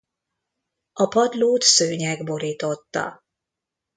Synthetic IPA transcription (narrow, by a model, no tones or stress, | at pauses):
ɒpɒd̪loːt̪søːɲɛɡbo̞ɾiːt̪o̞t̪ːɒ̰